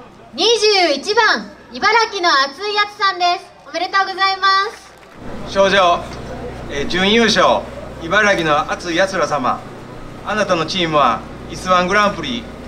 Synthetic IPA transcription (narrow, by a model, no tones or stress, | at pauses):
ɲ̟iʑɨːit͡ɕibãŋ̃ | ibaɾakʲino̞at͡sɨijat͡sɨ̥sãnd̪e̞sɨ̥omeɾet̪oːɡo̞zaimasɨ̥ | ɕo̞ːd͡ʑoː | ed͡ʑɨ̃ɰ̃jɯːɕoːibaɾaɡʲino̞at͡sɨijat͡sɨɾasama̰ | anat̪ano̞t͡ɕiːmɯ̟βa̰ | isɨβãŋɡɯ̟ɾãmpɯ̟ɾʲi